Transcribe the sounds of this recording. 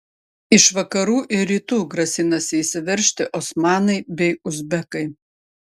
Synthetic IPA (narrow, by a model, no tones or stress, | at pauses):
ɪʃʋɐkɐɾuːʔɪɾʲiːt̪uːɡɾɐsʲɪnɐsʲɪisʲɪʋʲɛɾʲʃʲt̪ʲɪʔɔsmɑːnɐɪbʲɛɪʊzʲbʲɛkɐɪ